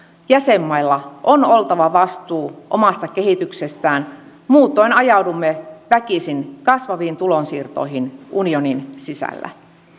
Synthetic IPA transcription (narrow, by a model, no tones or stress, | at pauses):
jæsemːɑilːɑʔono̞lt̪ɑʋɑʋɑst̪uːʔomɑst̪ɑkeɦit̪ykse̞st̪æːn | muːt̪ˑo̞inɑjɑwdumːeʋækisinkɑsʋɑʋiːnt̪ulo̞nsiːrt̪o̞̰iɦinʔunio̞ninsisæ̰lːæ̰